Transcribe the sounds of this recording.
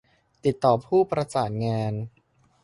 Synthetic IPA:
t̪i˨˩t̪ːɔː˨˩pʰuː˥˩pɾa˧t͡ɕaː˨˩t̪̚ŋaː˧n

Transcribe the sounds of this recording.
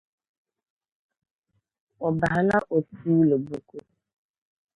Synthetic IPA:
ɔ˨ba˨ɦa˨la˦ʔo˨tu˦lo˨bu˦ko˦

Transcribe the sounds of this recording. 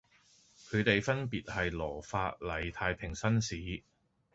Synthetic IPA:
kʰɵ˨˧ɥt̪e˨jfɐ˥npiː˨t̚hɐ˨jlɔː˨˩faː˧t̚lɐ˨˩jt̪ʰaː˧jpʰɪ˨˩ŋsɐ˥nsiː˨˥

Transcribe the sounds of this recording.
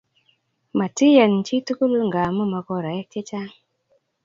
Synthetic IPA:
ma˨ti˦ja˨nt͡ʃi˦tu˦ku˦lŋɡa˨mə˦ma˨ko˦ɾa˨je˦k̚t͡ʃe˦t͡ʃa˦

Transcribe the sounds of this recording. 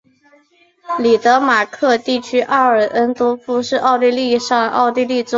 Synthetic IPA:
li˨˩t̪ɤ˧˥ma˨˩kʰɤ˥˧t̪i˥˩t͡ɕʰy˥ʔa˥ə˞˨˩ʔə˥nt̪ɔ˥fu˥ʂɻ̩˥˧ʔɑ˥˧ʊt̪i˥˧li˥˧ʂɑ˥˧ŋɑ̰˥˧ʊt̪i˥˧li˥˧t͡sʊ˥

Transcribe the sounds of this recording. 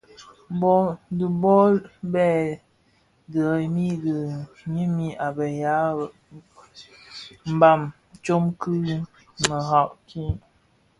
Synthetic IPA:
bɔ˦˨də˨bɔ˦lbɛ˦˨ | də˨mi˦də˨ | ɲi˦mi˦ʔa˨bə˨ja˨˦˨ | m̩˨ba˦˨m | t͡ʃo˦mkɨ˦ | mə˨ɦa˨ʔkʰi˦

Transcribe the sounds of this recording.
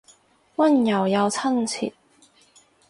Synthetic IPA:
wɐ˥˨njɐ˨˩wjɐ˨˧wt͡sʰɐ˥˩nt͡sʰḭ˨˩t̚

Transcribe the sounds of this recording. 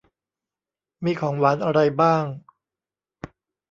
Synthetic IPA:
miː˧kʰɔː˩˦ŋwaː˩˦nʔa˧ɾa˧jbaː˥˩ŋ

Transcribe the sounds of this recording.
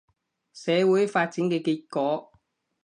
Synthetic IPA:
sɛː˨˧wuː˨˥jfaː˧t̚t͡siː˨˦˥nkɛ˧ki˧kːɔː˨˧

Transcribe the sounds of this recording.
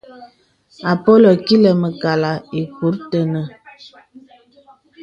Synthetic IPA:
a˨po˦lo˨ki˦lə˨mə˨ka˨la˨e˨ku˨˦ɾtə˦nə˦˨

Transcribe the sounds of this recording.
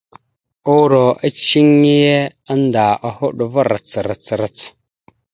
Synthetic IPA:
u˦ɾo˨ə˦t͡ʃi˦ŋːi˦je˦a˦nda˨a˨hu˦ɗu˨va˦ɾə˨t͡sə˨ɾə˨t͡sɾə˨t͡s

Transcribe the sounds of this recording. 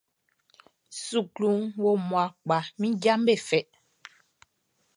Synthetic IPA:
su˨klu˨˦ŋwo˦mwa˨k͡pa˨mĩ˦ɟa˦mbe˦˨fɛ˨ʔ

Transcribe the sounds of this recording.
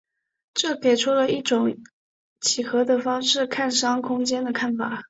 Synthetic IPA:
ʈ͡ʂɤ˥˩ke˨˩ɪʈ͡ʂʰɔ˥lə˨˧i˥˩ʈ͡ʂʊ˨˥˦ŋ | t͡ɕʰi˨˩xɤ˧˥d̪ə˨fɑ˥ŋʂɻ̩˥˩kʰa˥˩nʂɑ˥ŋkʰʊ˥ŋt͡ɕjɛ˥nd̪ə˨kʰa˥˩nfa˨˩˦

